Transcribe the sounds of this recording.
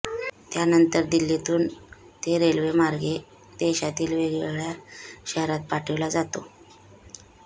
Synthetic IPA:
t̪janənt̪əɾd̪ilːet̪uːn | t̪eɾelʋemaɾɡe | d̪̥eɕat̪iːlʋeɡɭjaɕəɦɾat̪̚paʈʰiʋlad͡zat̪o

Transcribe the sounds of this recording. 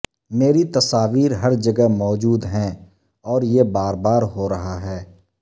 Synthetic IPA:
meːɾit̪ɐsaːʋiːɾɦɐɾd͡ʒɐɡɛɦmɔːd͡ʒuːd̪ɦɛ̃ | ɔːɾjebaːɾbaːɾɦoɾɐɦaɦɛː

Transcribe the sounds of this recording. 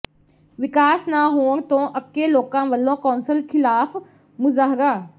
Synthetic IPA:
ʋɪkaːsnaːɦoːɳt̪õːʔəp̚keloːkãːʋəlːõːkɔːnsəlkʰɪlaːf | mʊzaːɦɾaː

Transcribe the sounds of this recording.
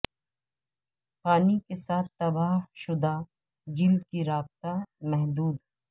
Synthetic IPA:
paːnikesaːt̪̚t̪ːɐbaːhʃʊd̪a | d͡ʒɪld̪kiɾaːb̚t̪amɛɦd̪uːd̪

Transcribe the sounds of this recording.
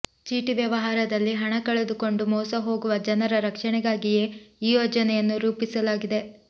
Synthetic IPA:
t͡ʃiːʈiʋjɐʋɐɦaːɾɐd̪ɐlːiɦɐɳɐkɐɭed̪uko̞ɳɖumɔːsɐɦo̞ːɡuʋɐd͡ʒɐnɐɾɐɾɐkʂɐɳɛɡaːɡije̞ːiːjoːd͡ʒɐnɛjɐnːuɾuːpisɐlaːɡid̪e

